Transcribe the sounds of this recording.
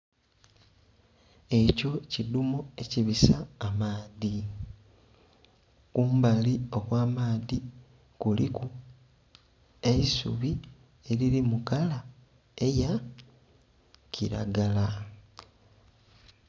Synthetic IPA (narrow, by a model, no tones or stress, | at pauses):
e̞co̞cidumoe̞ciβisaːmaːði | kuːmbalio̞ɣwaːmaːði | kulḭku | e̞isṵβi | eɾilimukala | e̞ja | ciɾa̰ɡala